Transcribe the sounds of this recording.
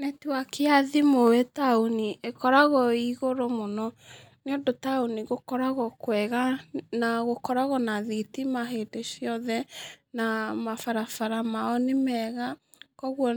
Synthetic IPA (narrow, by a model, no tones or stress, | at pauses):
netuakʰeaðimowetaoniekɔɾaɣɔiɣoɾomonɔ | neodotaoniɣokɔɾaɣɔkwɛɣanaɣokɔɾaɣɔnaðitimaɦedesjɔðɛnamafaɾafaɾamaɔnemɛɣa | kɔɣwɔ